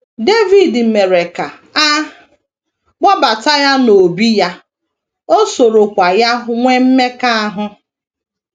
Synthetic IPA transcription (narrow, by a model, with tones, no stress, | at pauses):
de˦vi˨dme˨ɾe˨ka˨ | a˦ | ɡ͡bɔ˦ba˨ta˦ja˦no˨bi˦ja˦ | o˦so˨ɾo˨kʷa˨ja˦ŋʷe˦m̩˦me˦ka˦a˦ɦʊ˦